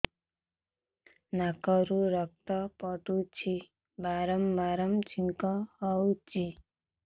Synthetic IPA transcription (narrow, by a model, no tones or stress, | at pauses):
nakɔɾuɾʌk̚t̪ʌpʌt̪ut͡ʃʰi | baɾʌmbaɾʌmt͡ʃʰiŋkɔhʌut͡ʃi